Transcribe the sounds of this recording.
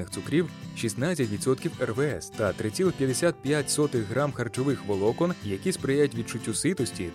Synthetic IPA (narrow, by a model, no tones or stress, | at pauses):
nɪxt̪sʊkɾʲiwʃisnɑt͡sʲːɐtʲʋʲit̪sɔt̪kʲiwɛrʋɛɛst̪ɐt̪ɾɪt̪ʲt͡sʲilˠɪpʲjɐd̪esʲat̪̚pʲjatʲsɔt̪ɪɦɾɑmxɐrt͡ʃɔʋɪxʋɔlˠɔkɔnjɐkʲispɾɪjajʊtʲʋʲid̪̚t͡ʃʊtʲːusɪt̪ɔsʲtʲi